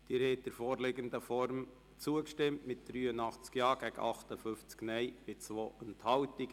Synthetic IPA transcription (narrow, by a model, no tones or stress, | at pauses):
d̥iːɾhɛt̚d̥əɾfɔːɾlɪɡənd̪əfɔɾm | t͡suəkʃtɪmtmɪt̚d̥̪ɾyːənɑχt͡skjɑːɡ̥æɡə̰ʔɑχt̪əfʏft͡sknɛɪb̥ɪt͡sʋoːʔɛnthɑwtiɡ